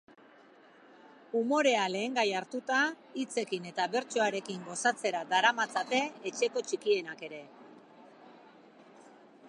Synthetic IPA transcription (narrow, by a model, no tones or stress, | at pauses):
umo̞ɾe̞ale̞ːŋɡajaɾt̪ut̪a | it͡se̞kine̞t̪aβe̞ɾt͡ʃo̞aɾe̞kiŋɡo̞sat͡se̞ɾad̪aɾamat͡sat̪e̞ːt͡ʃe̞ko̞t͡ʃikie̞nake̞ɾe̞